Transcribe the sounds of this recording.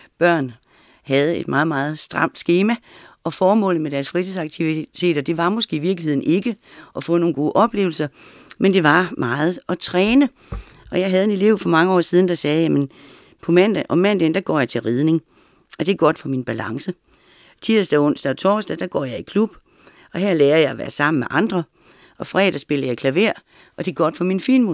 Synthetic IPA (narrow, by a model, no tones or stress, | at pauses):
b̥ɶɐ̰n | hæð̞̩ˠe̝d̥mʔɑ̈ːð̩ˠmɑ̈ːð̞̩ˠsd̥ʁɑ̈m̰d̥sɡ̥e̝ːmæɒ̽fɒːmɔ̰̽ːlð̩med̥æɐsfʁit͡sʰesɑɡ̥̚t͡sʰiʋit͡sʰe̝̰ːd̥ɒd̥e̝ʋɑ̈mosɡ̥e̝̰ːiʋiɐɡ̥lihe̝ð̰ˠn̩e̝ɡ̥əʔɒ̽fɔ̰̽ːno̝ːnɡo̝ːʔɒ̽b̥le̝ːʊl̩sɐ | mend̥e̝ʋɑ̈mɑ̈ːð̞̩ˠɒ̽t͡sʰʁɛːnə | ɒ̽jɑ̈ɪɦæð̞̩ˠe̝ne̝le̝ʊ̰fɒ̽mɑ̈ŋəɒ̰ːsið̞ˠn̩d̥ɑ̈sɛːjæmən | pʰɒ̽mæn̰d̥æʔɒ̽mænd̥end̥æɡ̥ɒ̰ːjɑ̈ɪt͡sʰe̝lʁið̞ˠne̝ŋ | ɒ̽d̥e̝ɐɡ̥ɒ̽d̥fɒ̽minb̥ælɑ̈ŋsə | t͡sʰiɐsd̥æɔn̰sd̥æɒ̽t͡sʰɒːsd̥æd̥ɑɡ̥ɒ̰ːjɑ̈ɪikʰlub̥ | ɒ̽hæɐ̰leːɐjɑ̈ɪɒʋæ̰ːɐsɑ̈m̰m̩meʔɑ̈nd̥ʁɐ | ɒ̽fʁɛːd̥æsb̥e̝lɐjɑ̈ɪkʰlæʋe̝ɐ̰ | ʔɒ̽d̥e̝ɐɡ̥ɒ̽d̥fɒminfḭːnmo